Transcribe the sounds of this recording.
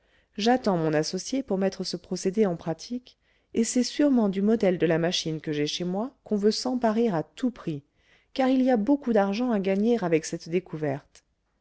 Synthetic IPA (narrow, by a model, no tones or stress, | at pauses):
ʒat̪ɑ̃mɔ̃nasɔsjepuʁmɛt̪χəsəpχɔsed̪eɑ̃pχat̪ʰik | esɛsyʁmɑ̃d̪ymɔd̪ɛld̪əlamaʃinkəʒɛʃemwakɔ̃vøsɑ̃paʁeʁat̪upχi | kaʁiliabokud̪aʁʒɑ̃aɡaɲeʁavɛksɛt̪d̪ekuvɛʁt̪